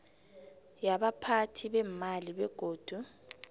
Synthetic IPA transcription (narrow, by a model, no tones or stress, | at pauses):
jaɓapʰatʰiɓɛmaliɓɛɡ̥ʱoːd̥ʱu